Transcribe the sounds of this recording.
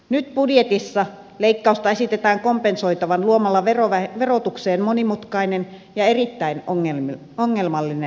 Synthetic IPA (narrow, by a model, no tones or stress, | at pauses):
nyt̪̚pudjet̪isːɑ | leikːɑust̪ɑesit̪et̪æːŋkompensoit̪ɑʋɑnluomɑlːɑʋeroʋæʋerot̪ukseːnmonimut̪kɑinen | jɑerit̪ːæinoŋːelmi | oŋːelmɑlːine